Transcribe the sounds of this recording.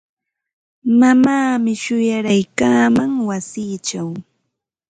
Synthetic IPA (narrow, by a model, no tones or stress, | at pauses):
mamaːmɪʃʊjaɾajkaːmaŋwasiːt͡ʃaw